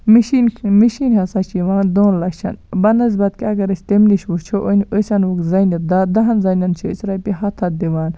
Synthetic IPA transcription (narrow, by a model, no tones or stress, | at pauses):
miʃinmiʃinhɐsat͡ʃʰiʋaːnd̪oːnlɐʃʰɐ̰nbɐnɐz̬bɐt̪̚kiɐɡɐɾɐsʲt̪emliʃwut͡ʃʰoʔonosɐnwukzɐnid̪ad̪ɐɦɐnzɐjnʲɐnt͡ʃʰisɾɐpiɦɐt̪ʰɐd̪iʋaːn